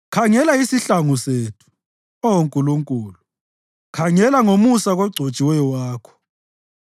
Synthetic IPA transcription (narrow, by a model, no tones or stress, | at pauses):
kʰaŋɛlaisiɬaŋuseːtʰu̥ | ɔwoŋkʼuluŋkʼuːlu | kʰaŋɛlaŋomusaɣɔɡ͡ǀʱo̥t͡ʃʼiwɛjɔwaːkʰɔ̥